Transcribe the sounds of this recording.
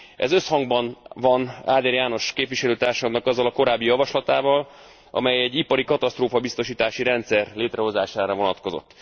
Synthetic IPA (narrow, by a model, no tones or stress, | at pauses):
ɛ̰zø̞shɒŋɡbɒnvɒnaːd̪ɛɾjaːno̞ʃkeːpviʃɛløːt̪aːrʃɒd̪nɒkɒzːɒlɒko̞ɾaːbːijɒvɒʃlɒt̪aːvɒl | ʔɒ̰mɛjɛɟːipɒɾikɒt̪ɒst̪roːfɒbist̪o̞ʃiːt̪aːʃiɾɛnt̪sɛrleːt̪rɛɦo̞zaːʃaːɾɒvo̞nɒt̪ko̞zo̞̰t̪ː